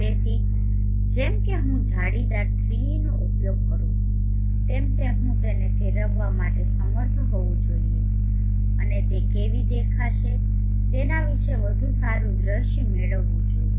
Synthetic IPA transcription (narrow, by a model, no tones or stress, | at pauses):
et̪i | d͡ʒɛmkeɦũd͡ʒʱaɽid̪at̪ʰɾiinoʔupjoɡ̚kəɾũ | t̪emt̪eɦũt̪enefʰeɾəʋʋamaʈesəməɾt̪ʰɦoʋũd͡ʒoie | tənet̪ekeʋid̪ekʰaʃe | t̪enaʋiʃeʋəd̪ʱũsaɾũd̪ɾəʃ | meɭəʋːũd͡ʒou